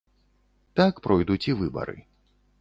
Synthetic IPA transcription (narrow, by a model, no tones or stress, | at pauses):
t̪akpɾʔɔjd̪ut͡sʲivɨbɐ̰ɾɨ̰